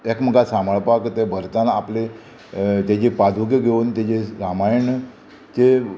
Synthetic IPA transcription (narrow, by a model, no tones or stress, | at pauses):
ekm̤əɡasaməɭpakt̪ebʱəɾt̪anaːple | t̪ed͡ʑepad̪ʱuk̬eɡʱeunt̪ed͡ʑeɾamajəɳ | t͡se